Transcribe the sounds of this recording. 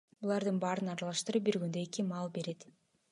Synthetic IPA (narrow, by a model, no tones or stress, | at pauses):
bulˠɑɾd̪ɯnbɑɾɯnɑɾɑlˠɑʃt̪ɯɾɯp̚biɾɡynd̪øekimɑlˠbe̞ɾe̞t̪